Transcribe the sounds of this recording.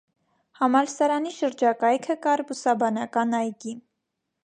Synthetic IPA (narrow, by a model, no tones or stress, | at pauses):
hɑmɑlsɑɾɑniʃəɾd͡ʒɑkɑjkʰəkɑɾbusɑbɑnɑkɑnɑjɡin